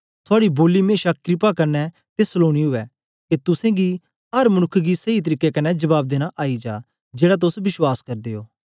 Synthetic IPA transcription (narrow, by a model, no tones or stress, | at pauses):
t̪ʰʊaːɽiboːlimeːʃakɾɪp̬akɐɾnɛ | t̪esloːɽ̃iɦʊɛ | ket̪ʊsẽɡi | ɦɐɾmɐñʊkʰːɡisɐit̪̬əɾiːkːɛkɐnːɛd͡ʒɐbaːb̚d̪eːɽ̃aʔaːid͡ʒaː | d͡ʒeːɽat̪̬ʊsʋɪʃwaːskɐɾd̪eːoː